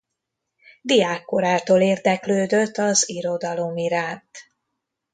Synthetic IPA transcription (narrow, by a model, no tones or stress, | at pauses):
d̪ijaːkːoɾaːt̪oːleːrd̪ɛkløːd̪øt̪ːɒziɾo̞d̪ɒlo̞miɾaːnt̪